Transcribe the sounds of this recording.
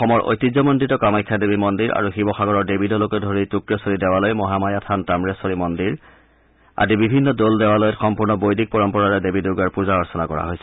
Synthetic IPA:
ɔxɔmɔɹʔo̰jtizɔmɔndɹitɔkamajkʰːadebimɔndiɹa̰ɹuxibɔxaɡɔɹɔɹdebidɔlokɔdʱoɹitukɹɔsoɹidɛwalojmɔɦamajatʰantamɹesoɹimɔndiɹ | a̰zibibʱinːɔdoldɛwalojɔtxɔmpuɹnɔbojdʱik̚pɔɹɔmpɔɹaɹɛdebiduɡaɹpuzaɔɹsɔnakɔɹa̰ɦojsɛ

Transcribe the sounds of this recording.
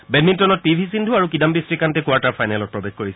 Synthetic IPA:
bɛdmĩntɔnɔt̚pibʱisindʱuaɹukidambisɹikantɛkuwaɹtaɹpʰajnɛlɔt̚pɹɔbexkoɹisɛ

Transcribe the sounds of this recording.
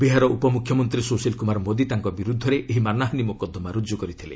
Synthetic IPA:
biɦaɾɔʔupɔmukʰjɔmɔnt̪ɾisosilkumaɾɔmod̪it̪aŋkɔbiɾud̪ʱːɔɾeeɦimanaɦɔnimokɔd̪ʱːɔmaɾud͡ʒjɔkɔɾit̪ʰile

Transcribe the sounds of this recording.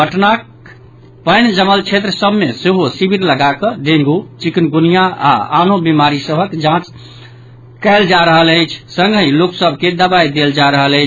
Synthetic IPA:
bəʈnak | pəɪnd͡ʒəməlt͡ʃʰet̪ɾəsəbʱmeseɦosibʱiɾləɡakəɖ̪ẽŋɡut͡ʃiknɡunijaa̰a̰nobimaɾisəbʱəkd͡ʒãt͡ʃ | kəɪld͡ʒaɾəɦələjt͡ʃʰsə̃ŋɡʱɦĩloksəbʱked̪əbajd̪eld͡ʒaɾəɦələɪt͡ʃʰ

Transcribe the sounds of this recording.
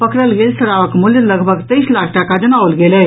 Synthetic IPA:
pəkɾəlɡelsəɾaʋəkmuljələɡbʱəɡt̪əjslakʰʈakad͡ʒənaʋəlɡelɛɦ

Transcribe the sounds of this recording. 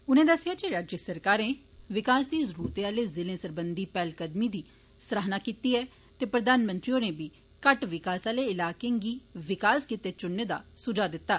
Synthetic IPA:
ʊnẽːd̪əsːɪjaːd͡ʒeɾaːd͡ʒjəsəɾkaːɾẽː | ʋɪkaːsd̪iːzəɾuːɾt̪eːaːleːzɪlẽːsəɾbənd̪iːpɛːlkəd̪miːd̪iː | səɾaːɦnaːkiːt̪iːɛː | t̪eːpɾəd̪aːnmə̃nt̪ɾiõːneːbiː | kəʈʋɪkaːsaːleːɪlaːkeɡiːʋɪkaːskit̪eːt͡ʃʊnːeːd̪a̰ːsʊd͡ʒaːd̪ɪt̪ːaː

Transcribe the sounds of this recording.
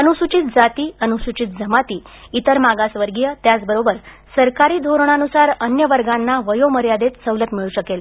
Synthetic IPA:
ənusut͡ɕit̪̚d͡zat̪iːənusut͡ɕit̪̚d͡zʱəmat̪iː | it̪əɾmaɡasʋəɾɡijət̪jat͡sbəɾobəɾ | səɾkaɾiːd̪ʱoɾɳ̃anusaɾənjəʋəɾɡanːaʋəjoməɾjad̪et̪səʋlət̪miɭuɕəkel

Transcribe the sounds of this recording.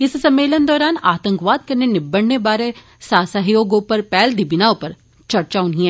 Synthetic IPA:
ɪssɐmːeːlənd̪ɔːɾaːnaːt̪ə̃ŋkʋaːd̪̚kɐɾnenɪbːəɽnebaːɾe | saːsaɦijoːɡopɐɾpɛːld̪ibɪnaʊpɐɾ | t͡ʃɐɾt͡ʃaːʊnɦĩɦɛ̃ː

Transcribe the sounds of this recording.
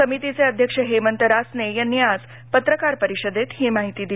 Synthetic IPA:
əmit̪it͡seəd̪ʱjəkʂəɦemənt̪əɾasnejənjad͡z | pət̪ɾəkaɾpəɾiɕəd̪et̪hiːmaɦit̪iːd̪i

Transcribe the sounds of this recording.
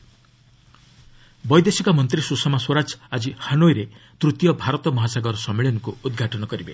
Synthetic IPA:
bɔjd̪esikɔmɔnt̪ɾisusɔmaswɔɾad͡ʒad͡ʒihanojɾet̪ɾut̪jɔbʱaɾɔt̪ɔmɔɦasaɡɔɾsɔmːeɭɔnɔŋkuud̪ɡʱaʈɔnɔkɔɾibḛ

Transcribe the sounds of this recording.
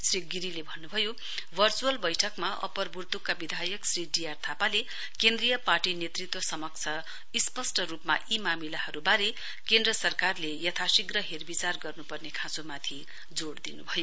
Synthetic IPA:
sriɡiɾilebʱʌnːubʱʌjo | bʱʌrt͡suʌlbʌjʈʰʌkmaʔʌ̰pʌrbʱurt̪ukːabid̪ʱajʌksriɖijart̪ʰapale | kend̪rijʌparʈinet̪rit̪wʌsʌmʌk̚t͡sʰʌ | ispʌsʈʌɾupma̰ʔimamilaɦʌɾubaɾe | kend̪rʌsʌrkarlejʌt̪ʰasiɡrʌɦerbit͡sarɡʌrnupʌrnekʰãt͡somat̪ʰi | d͡zoɽd̪inubʱʌjo

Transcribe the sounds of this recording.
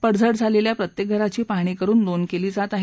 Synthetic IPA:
pəɽd͡zʱəɽd͡zʱaleljapɾət̪jek̚ɡʱəɾat͡ɕiːpaɽ̃ikəɾuːnd̪onkeliːd͡zat̪aɦ

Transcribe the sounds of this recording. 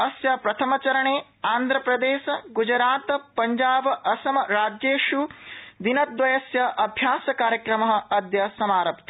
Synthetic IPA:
ɐsjɐpɾɐt̪ʰɐmɐt͡ʃɐɾɐɳeː | aːnd̪ʱɾɐpɾɐd̪eːʃɐɡud͡ʒɐɾaːt̪ɐpɐɲd͡ʒaːbɐʔɐsɐmɐɾaːd͡ʒjeːʂud̪inɐd̪ʋɐjɐsjɐʔɐbʱjaːsɐkaːɾjɐkɾɐmɐɦɐ̆ɐd̪jɐsɐmaːɾɐpt̪

